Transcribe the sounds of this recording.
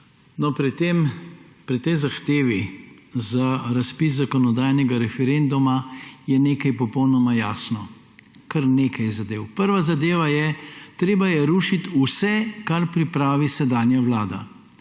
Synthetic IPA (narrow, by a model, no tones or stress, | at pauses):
nɔpɾɛt̪empɾit̪ɛjzaxt̪eːʋizaɾaspiszakɔnɔd̪ajnɛɡaɾɛfɛɾend̪umajɛneːkajpɔpɔwnɔmajaːsnɔ | kɐɾneːkajzad̪eːwpəɾʋazad̪eːʋajɛt̪ɾeːbajɛɾuːʃit̪usɛkaɾpɾipɾaːʋisɛd̪aːnjaʋlaːd̪a̰